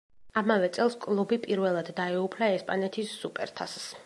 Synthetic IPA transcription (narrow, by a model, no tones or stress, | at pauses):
amavɛt̪sʼɛlˠskʼlˠubipʼiɾvɛlˠad̪ːaɛupʰlaɛspʼanɛt̪ʰisːupʼɛ̰ɾt̪ʰass